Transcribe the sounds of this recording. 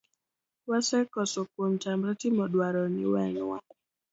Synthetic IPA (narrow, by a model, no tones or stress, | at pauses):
wasɛkɔsɔkwomt͡ʃambɾatimɔɗwaɾɔnɪwɛnwa̰